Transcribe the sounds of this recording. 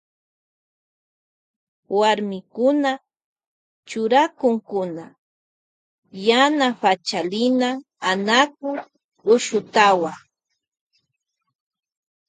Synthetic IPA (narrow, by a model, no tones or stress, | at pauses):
waɾmɪkʊna | t͡ʃʊɾakʊŋkʊna | janapat͡ʃalɪnaː | nakʊ | ʊʃʊt̪awaŋ